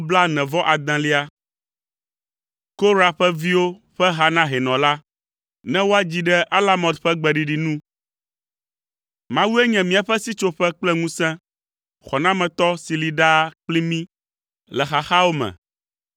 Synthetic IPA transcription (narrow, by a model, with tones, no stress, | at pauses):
bla˦nɛ̃˨vɔ˦ʔa˨d̪ã˨li˦a˦ | ko˦ɾa˨ɸɛ˦vi˦wo˦ | ɸɛ˦ɦa˦nã˦ɦɛ˨nɔ̃˨la˦ | nɛ̃˦wo˦a˦d͡ʑi˦ɖɛ˦ʔa˦la˦mɔ̃˨t̪ɸɛ˦ɡ͡bɛ˨ɖi˨ɖi˨nũ˦ | mã˦wu˦e˦ɲɛ̃˨mĩ˦a˨ɸɛ˦si˦t͡ʃo˦ɸɛ˦k͡plɛ˦ŋũ˦sɛ̃˦ | xɔ˨nã˦mɛ̃˨t̪ɔ˦si˨li˨ɖa˦k͡pli˦mĩ˦ | lɛ˨xa˨xa˦o˦mɛ̰̃˨